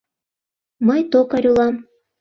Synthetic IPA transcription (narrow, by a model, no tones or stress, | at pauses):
məjt̪okɑɾʲulɑm